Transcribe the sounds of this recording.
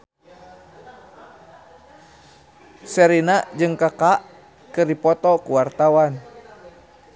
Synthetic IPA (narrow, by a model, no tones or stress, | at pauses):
sɛɾinaʔd͡ʒɨŋkakaʔ | kɨrdipɔt̪ɔkuwart̪awan